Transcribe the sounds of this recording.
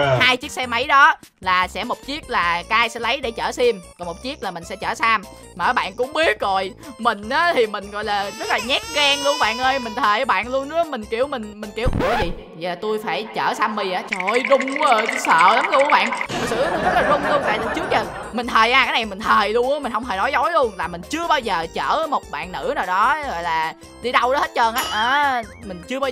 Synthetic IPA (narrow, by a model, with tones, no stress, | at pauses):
haː˧jt͡ɕi˦˥ək̚sɛ˧ma˨˦jɗɔ˨˦ | laː˨˩sɛ̰˧˥˩mo˨˩t̚t͡ɕi˦˥ək̚laː˨˩kaː˨˦ʔaː˧jsɛ̰˧˥lə˨˦jɗe˧˩t͡ɕəː˧˩si˧mkɔ˨˩mo˨˩t̚t͡ɕi˦˥ək̚laː˨˩mï˨˩ŋ̟sɛ̰˧˥t͡ɕəː˧˩saː˧m | maː˨˩˨ɓa̰ː˧˨nkʊ̰˧˥ŋ͡mɓi˦˥ət̚ɣo̰˧˨jmï˨˩ŋ̟ʔaː˨˦t̪ʰi˨˩mï˨˩ŋ̟ɣɔ̰˧˨jlaː˨˩zə˦˥t̚laː˨˩ɲɛ˦˥k̚ɣa˧ŋlu˧əŋɓa̰ː˧˨nʔəː˧jmï˨˩ŋ̟t̪ʰəː˨˩jʔə˨˦ɓa̰ː˧˨nlu˧ənːɨ˨˦mï˨˩ŋ̟ki˧˩əwmï˨˩ŋ̟mï˨˩ŋ̟ki˧˩əw̰əzi˨˩ | zlaː˨˩t̪u˧jfaː˧˩jt͡ɕəː˧˩saː˧mːi˨˩ʔaː˨˦t͡ɕɔ˨˩jɗʊ˨˩ŋ͡mə˨˩˧sə̰ː˧˨la˨˦mɗʊ˧˨˧ɓa̰ː˧˨nmə˨˩sɨ̰˧˨˦kzə˦˥t̚aː˨˩zʊ˧nlu˧ənt̪a̰ː˧˨t̪ə˨˩t͡ɕɨ˦˥ək̚zəː˨˩ | mï̟˨˩t̪ʰəː˨˩jʔaː˧˩kaː˨˦na˨˩jmï˨˩ŋ̟t̪ʰəː˨˩jlu˧əŋʔmï̟˩hə˧wŋ͡mt̪ʰəː˨˩nɔ˨˦jzɔ˨˦jlu˧ənlaː˨˩mï˨˩ŋ̟t͡ɕɨ˧əɓaː˧wzəː˨˩t͡ɕəː˧˩mo˨˩t̚ɓa̰ː˧˨nːɨ̰˧˥naː˨˩wɗɔ˨˦ɣɔ̰˧˨jlaː˨˩ | ɗi˧ɗə˧wɗɔ˨˦he˦˥t̚t͡ɕəː˧nʔaː˨˦˥ʔəː˨˩mï˨˩ŋ̟t͡ɕɨ˧əɓaː˧